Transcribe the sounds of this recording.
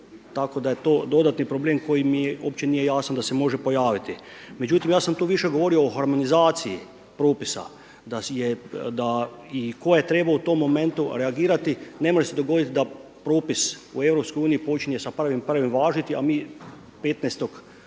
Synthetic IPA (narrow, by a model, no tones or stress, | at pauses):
t̪ako̞d̪ajet̪o̞ːd̪o̞d̪at̪nipɾo̞ble̞ːmko̞jimijeop̚t͡ɕe̞nije̞jaːsand̪ase̞mo̞ʒe̞po̞jaːʋit̪i | me̞d͡ʑut̪imjaːsamt̪uːʋiʃe̞ɡo̞ʋo̞ɾio̞oxaɾmo̞nizaːt̪siji | pɾoːpisa̰ | d̪ajed̪aiko̞jajet̪ɾe̞baut̪o̞mːo̞me̞nt̪uɾeaɡiːɾat̪ine̞mo̞ʒesed̪o̞ɡo̞d̪it̪id̪apɾoːpisṵe̞vɾo̞psko̞juːnijipo̞t͡ʃiɲesapr̩ʋimpr̩ʋimʋaːʒit̪iamiː | pet̪neːst̪o̞k